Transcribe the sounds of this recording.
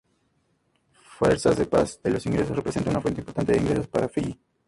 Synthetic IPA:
fweɾsazðepa̰selo̞siŋɡɾe̞sosrepɾesent̪anunafwent̪eimpoɾt̪ant̪eeiŋɡɾeso̞spaɾafii

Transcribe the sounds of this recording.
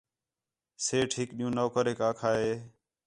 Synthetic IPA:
seːʈʰɪkɗĩjũːnoːkəɾeːkaːkʰaːɦeː

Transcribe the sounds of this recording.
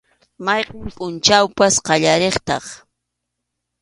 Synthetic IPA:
mɑjqɑmpʼʊnt͡ʃawpasqɑʎaɾeχt̪ɑ̰χ

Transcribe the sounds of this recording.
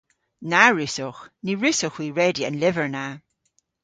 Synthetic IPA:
naɹʉsɔxniɹʉsʊxwiːɹɛdiə̰̃nlɪvəɹna

